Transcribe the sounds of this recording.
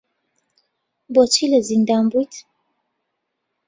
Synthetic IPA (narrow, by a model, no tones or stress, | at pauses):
bot͡ʃʰilɐzind̪anbujt̪